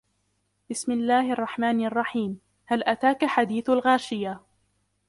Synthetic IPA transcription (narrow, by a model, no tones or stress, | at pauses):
b̥ɪsmɪlːaːhʔɑrˤːɑħmaːnʔɑrˤːɑħiːm | halʔat̪aːkaħad̪iːθalɣaːʃɪja